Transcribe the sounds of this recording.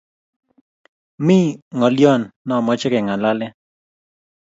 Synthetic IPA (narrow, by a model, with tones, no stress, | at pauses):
mi˦ŋɔ˨ljɔ˦nːɔ˨mɔ˦t͡ʃkɛ˨ŋa˨la˦lɛ˦